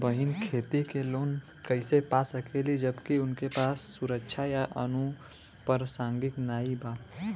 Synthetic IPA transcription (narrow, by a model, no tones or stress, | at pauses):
bəɦɪnkʰeːt̪ikeloːn | kəɪsepaːsəkʰelid͡ʒəbkiʊnkepaːsːʊɾəkʃʰajaʔə̰nu | pəɾsãːŋɡɪknaːibaː